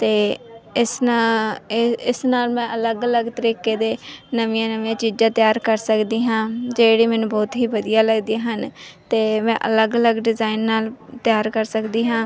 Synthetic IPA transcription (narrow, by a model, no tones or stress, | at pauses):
t̪eːɪs | ɪsnaːlmɛ̃ːʔələɡələɡt̪əɾiːkeːd̪eːnəʋɪjãːnəʋijãːt͡ʃiːd͡ʒãːt̪ɪjaːɾkəɾsəkd̪iːɦãːd͡ʒeːɽiːmɛ̃ːnũːbɔːt̪ɦiːbəd̪ijaːləɡd̪iaɦənt̪eːmɛ̃ːʔə̰ləɡələɡɖɪzaːɪnːaːlt̪ɪjaːɾkəɾsəkd̪iːɦãː